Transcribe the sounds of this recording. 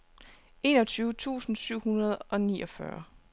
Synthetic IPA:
e̝̰ːnɒ̽t͡sʰyːʊt͡sʰṵːsn̩syʊ̰hunɐð̞̩ˠɒ̽nḭːʔɒfɶ̰ɐ

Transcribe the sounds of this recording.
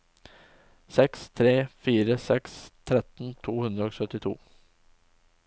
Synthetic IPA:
sɛkst̪ʰɾeːfiːɾəsɛkst̪ʰɾɛt̪n̩t̪ʰuːhʉnd̪ɾəoːsœt̪ɪt̪ʰṵː

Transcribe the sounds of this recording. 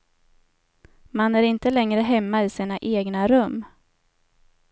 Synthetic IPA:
manæɾɪnt̪əlɛŋɾəɦɛmːaɪːsiːnaʔeːɡnaɾɵmː

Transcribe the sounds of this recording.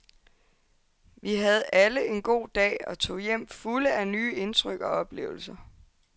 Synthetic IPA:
ʋiɦæð̞̩ˠʔæləe̝nɡ̥o̝̰ːd̥ɛ̰ːɒ̽t͡sʰo̝̰ːjem̰fuləænyːe̝nt͡sʰʁœɡ̥ɒ̽ɒ̽b̥le̝̰ːʊl̩sɐ

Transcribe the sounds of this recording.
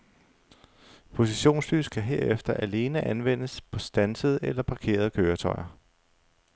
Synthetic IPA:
pʰo̝siɕo̝̰ːnsly̰ːsɡ̥ʰæɦe̝ɐefd̥ɐʔæle̝ːnəʔænʋen̰əspʰɒ̽sd̥ænsəð̞̩ˠelɐpʰɑ̈kʰe̝̰ːɐð̞̩ˠəkʰøːɐt͡sʰɒɪɐ

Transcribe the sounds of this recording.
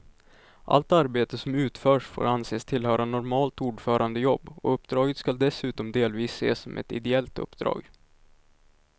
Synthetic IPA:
ʔa̰lt̪aɾbeːt̪əsɔmʉ̟ːt̪fœːʂfo̰ːɾanseːst̪ʰɪlɦœːɾanɔɾmɑːlt̪uːɖfœːɾʔand̪əjɔbːɔ̰ɵpːd̪ɾɑːɡət̪skald̪ɛsʉ̟ːt̪ɔmd̪eːlviːsːḛːsɔmʔɛ̰t̪ɪ̰d̪ɛɛlt̪ɵ̰pːd̪ɾɑ̰ːɡ

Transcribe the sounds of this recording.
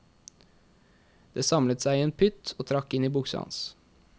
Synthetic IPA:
d̪̥eːsɑmlət̪sæɪiːeːnpʰʏt̪ʰoːt̪ʰɾɑkːɪniːbʊksɑ̰ns

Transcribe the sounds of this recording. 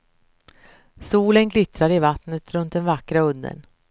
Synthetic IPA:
suːlənɡlɪt̪ɾaɾɪvat̪nət̪ʰɾɵnt̪̚d̪ɛnvakɾaɵnd̪ə̰n

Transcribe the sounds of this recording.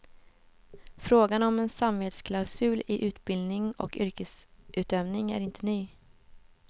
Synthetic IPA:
fɾoːɡanɔmɛnsamveːt̪skʰlaʊsʉ̟ːlɪʔʉ̟ːt̪bɪld̪nɪŋɔ̰kʏɾkəsʔʉ̟ːt̪œvnɪŋæ̰ɾɪnt̪ʰənyː

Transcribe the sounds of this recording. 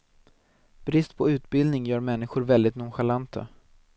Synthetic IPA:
b̥ɾɪst̪pʰɔʉ̟ːt̪bɪld̪nɪŋjœːɾmɛnːɪɧʊɾvɛld̪ɪt̪nʊːɧalant̪ʰə̰

